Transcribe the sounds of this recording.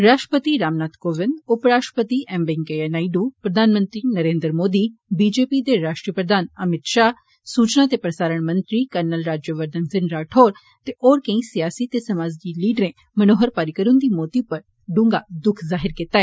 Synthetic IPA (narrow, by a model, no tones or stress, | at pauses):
ɾaːʃʈəpət̪iɾaːmnaːt̪koːʋɪ̃nd̪ʊpɾaːʃʈəpət̪iɛ̃mbɪ̃ŋkeɛnaːiɖupɾɐd̪ʱaːnmə̃nt̪ɾinɐɾẽːnd̪ɾmoːd̪ibiːd͡ʒeːpid̪eɾaːʃʈɾiəpɾəd̪aːnɐmɪt̪ʃaː | suːt͡ʃnat̪epɾɐsaːɾəɽ̃mɐ̃nt̪ɾikɐɾnəlɾaːd͡ʒjəʋəɾd̪ənsɪnɾaːʈʰoːɾ | t̪eʔoːɾkẽĩsijaːsit̪esɐmaːd͡ʒɡiliːɖɾẽ | mɐnoːɦəɾpaːɾikɐɾund̪imoːt̪ipɐɾ | ɖũŋɡad̪ʊkʰzaːɦɪɾkɪt̪aɦɛː